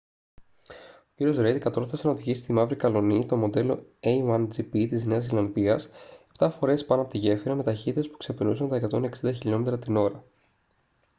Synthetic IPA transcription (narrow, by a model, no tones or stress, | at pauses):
ociɾio̞zɾed̪ikɐt̪o̞ɾθɐsenɐoðiçisi̥st̪imɐvɾikɐlo̞nit̪o̞mo̞d̪e̞lo̞ejwɐnd͡zipit̪izne̞ɐzilɐnðiɐsept̪ɐfo̞ɾe̞spɐnoɐpot̪iʝe̞fiɾɐme̞t̪ɐçit̪it̪espu̥kse̞pinusɐnt̪ɐe̞kɐt̪o̞neksind̪ɐçiʎo̞me̞t̪ɾɐt̪ino̞ɾɐ